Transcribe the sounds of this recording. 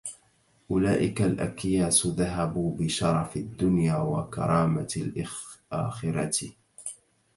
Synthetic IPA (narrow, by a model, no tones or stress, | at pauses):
ʔʊlaːʔɪkalʔa̰kjaːsðaɦabuːbɪʃɑɾˤɑfɪd̪ːʊnjaːwa̰kɑ̰ɾˤɑːmalʔʔa̰ːxɪɾɑt̪